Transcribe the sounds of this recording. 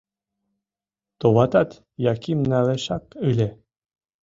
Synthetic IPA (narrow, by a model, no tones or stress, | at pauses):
t̪oβɑt̪ɑt̪ | jɑkimnɑveʃɑkɯle